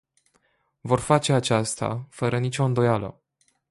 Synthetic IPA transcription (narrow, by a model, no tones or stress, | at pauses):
vo̞rfat͡ʃe̞at͡ʃast̪a̰fəɾənit͡ʃʲo̞ɨnd̪o̞jalə̰